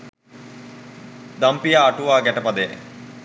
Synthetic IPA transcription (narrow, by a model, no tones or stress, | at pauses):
d̪ampijaːʈuʋaːɡɛʈəpɐd̪e